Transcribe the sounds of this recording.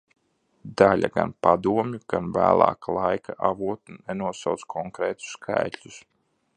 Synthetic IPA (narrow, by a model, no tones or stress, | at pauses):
d̪alʲa̰ɡa̰npad̪uɔmʲjuɡ̥anvæ̰ːlˠɑ̰ːkalˠajkʰaʔavuɔt̪unːɛnuɔsaw̪skʰɔŋkɾɛːt̪u̥skʰa̰jt̪ʲlʲus